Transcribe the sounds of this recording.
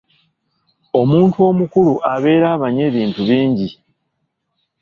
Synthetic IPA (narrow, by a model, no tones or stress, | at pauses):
o̞muːntuo̞mukuluʔaβe̞ːɾaːβaɲe̞ːβiːntuβiːɲɟi